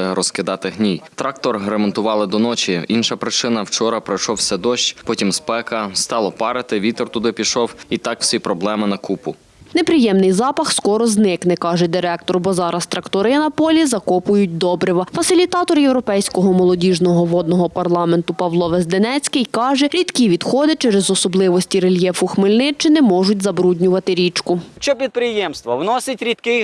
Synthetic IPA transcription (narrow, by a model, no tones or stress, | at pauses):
ɪɾɔskɪd̪ɑt̪ɪɦnʲijt̪ɾɑk̚t̪ɔrɦɾemɔnt̪ʊʋɑlˠɪd̪ɔnɔt͡ʃʲiinʃɐpɾɪt͡ʃɪnɐwt͡ʃɔɾɐpɾɪjʃɔwsʲɛd̪ɔʃt͡ʃʲpɔtʲimspɛkɐst̪ɑlˠɔpɑɾɪt̪ɪʋʲit̪ɔrt̪ʊd̪ɪpʲiʃɔwit̪ɑkw̥sʲipɾɔblˠɛmɪnɐkupʊ | nepɾɪjɛmnɪjzɑpɐxskɔɾɔznɪknɛkɑʒɛd̪ɪɾɛk̚t̪ɔrbɔzɑɾɐst̪ɾɐkt̪ɔɾɪnɐpɔlʲizɐkɔpʊjʊtʲd̪ɔbɾʲɪʋɐfɐsʲɪlʲit̪ɑt̪ɔrjewɾɔpɛjsʲkɔɦɔmɔlˠɔdʲiʒnɔɦɔʋɔd̪nɔɦɔpɐrlˠɑment̪ʊpɐʋlˠɔʋezd̪enɛt͡sʲkɪjkɑʒɛɾʲid̪kʲiʋʲid̪xɔd̪ɪt͡ʃɛɾɛzɔsɔblˠɪʋɔsʲtʲiɾelʲjɛfʊxmɪlʲnɪt͡ʃɪnɛmɔʒʊtʲzɐbɾudʲnʲʊʋɐt̪ɪɾʲit͡ʃkʊt͡ʃɔpʲid̪̚pɾɪjɛmst̪ʋɐwnɔsʲɪtʲɾʲid̪kɪ